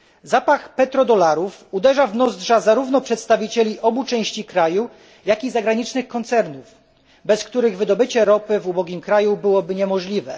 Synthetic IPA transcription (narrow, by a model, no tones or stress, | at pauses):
zapaxpɛt̪ɾɔd̪ɔlaɾufud̪ɛʐavnɔzd̪ʐazaɾuvn̪ɔpʂɛt̪st̪avʲit͡ɕelʲiʔɔbut͡ʂɛw̃ɕt͡ɕikɾaju | jakʲizaɡɾaɲit͡ʂnɘxkɔnt̪sɛɾnuf | bɛskt̪uɾɘɣvɘd̪ɔbɘt͡ɕɛɾɔpɘvubɔɡʲimkɾajubɘwɔbɘɲɛmɔʐlʲivɛ